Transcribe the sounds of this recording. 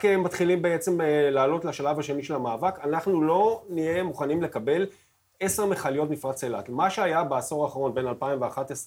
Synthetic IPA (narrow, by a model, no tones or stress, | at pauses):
kemat̪χilimbeet͡se̞mlaːlo̞tlaʃalavhaʃe̞niʃe̞lamaːvakanaχnulo̞nije̞muχanimle̞kabe̞l | e̞se̞ʁmeχalijo̞t̬mifʁasela̰tmaʃeajabeaso̞ʁaːχaʁo̞nbe̞nalpaimveaχat̪es